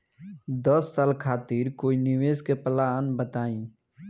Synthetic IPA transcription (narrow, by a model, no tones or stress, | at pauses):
d̪əsːaːlkʰaːt̪iɾkoːinɪʋeːskeplaːnbət̪aːĩː